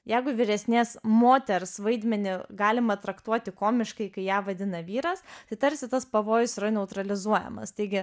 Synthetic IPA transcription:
jɛɪɡʊʋʲɪɾʲɛsʲnʲeːsmoːt̪ʲɛɾsʋɐɪd̪ʲmʲɛnʲɪɡɑːlʲɪmɐt̪ɾɐkt̪uɔt̪ʲɪkoːmʲɪʃkɐɪkɐɪjæːʋɐd̪ʲɪnɐʋʲiːɾɐst̪ɐɪt̪ɐɾʲsʲɪt̪ɐspɐʋoːjʊsɪɾɐnʲɛʊt̪ɾɐlʲɪzuɔjɛ̰mɐ̰st̪ɐɪɡʲɪ

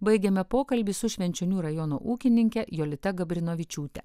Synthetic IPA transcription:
bɐɪɡʲɛmʲɛpoːkɐlʲbʲɪsʊʃʲʋʲɛnʲt͡ʃʲɛnʲuːɾɐjɔno̰ːʔuːkʲɪnʲɪŋʲkʲɛjoːlʲɪt̪ʲɐɡɐbʲɾʲɪnoːʋʲɪt͡ʃʲuːt̪ʲɛ̰

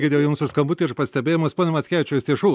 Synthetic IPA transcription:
ɡʲɪd̪ʲejɛjʊŋsʊskɐmbʊt̪ʲiɾpɐsʲt̪ʲɛbʲeːjomɐspoːnʲɛmɐsʲkʲæːʋʲɪt͡ʃʲɛsʲt̪ʲiɛʃuː

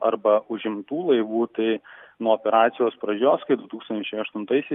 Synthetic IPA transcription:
ɐɾbɐʊʒʲɪmt̪uːlˠɐɪʋuːt̪ɐɪnuɔoːpʲɛɾɑːt̪sʲɪjoːspɾɐd͡ʒʲoːskɐɪd̪ʊt̪uːkst̪ɐnʲt͡ʃɛɪɐʃt̪ʊnt̪ɐɪsʲɛɪ

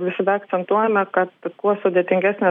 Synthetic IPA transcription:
ʋʲɪsʲɪd̪ɐɛɐkt͡ssʲɛnt̪uɔjɛmʲɛkɐt̪kuɔsʊd̪ʲeɛt̪ʲɪŋʲɡʲæːsʲnʲe

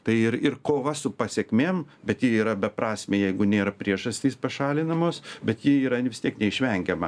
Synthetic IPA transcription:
t̪ɐɪɪɾɪrkoːʋɐsʊpɐsʲekmʲeːmbʲɛt̪jiiːɾɐbʲɛpɾɑːsʲmʲeːjɛɪɡʊnʲeːɾɐpʲɾʲiɛʒɐsʲt̪ʲiːspɐʃɑːlʲɪnɐmoːsbʲɛt̪jiiːɾɐʋʲɪst̪ʲiɛknʲɛɪʃʲʋʲɛŋʲɡʲɛmɐ

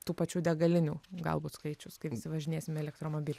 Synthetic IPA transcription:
t̪uːpɐt͡ʃʲuːd̪ʲɛɡɐlʲɪnʲuːɡɐ̰lˠbuːt̪skɐɪt͡ʃʲʊskɐɪɪsʲɪʋɐʒʲɪnʲeːsʲɪmʲɛlʲɛk̚t̪ɾoːmoːbʲiːlʲ

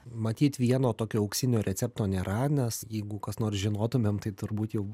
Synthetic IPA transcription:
mɐt̪ʲiːt̪ʋʲiɛnoːt̪oːkʲoːɐʊksʲɪnʲoːɾʲɛt̪t͡sʲɛp̚t̪oːnʲeːɾɐnʲɛsjɛɪɡʊkɐsnoːrsʒʲɪnoːt̪ʊmʲeːmt̪ɐɪt̪ʊɾbuːt̪jɛʊ

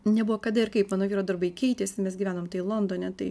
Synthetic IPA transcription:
nʲɛbuʋoːkɐd̪ɐɪɾkɐɪpmɑːnoːʋʲiːɾoːd̪ɐɾbɐɪkʲɛɪt̪ʲeːsʲɪmʲɛsɡʲiʋʲæːnoːmt̪ɐɪlˠond̪oːnʲɛt̪ɐɪ

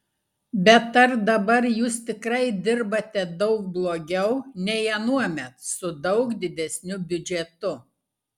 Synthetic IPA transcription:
bʲɛt̪ɐɾd̪ɐbɐɾjuːst̪ʲɪkɾɐɪd̪ʲɪɾbɐt̪ʲɛd̪ɒʊk̚blˠoːɡʲɛʊnʲɛɪɛnuɔmʲɛt̪sʊd̪ɐʊkd̪ʲɪd̪ʲɛsʲnʲʊbʲʊd͡ʒʲɛt̪ʊ

